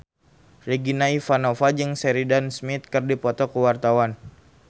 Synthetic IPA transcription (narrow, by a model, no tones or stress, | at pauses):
riɡinaifanofad͡ʒɨŋsɛɾidansmit̪̚kɨrdipɔt̪ɔkuwart̪awan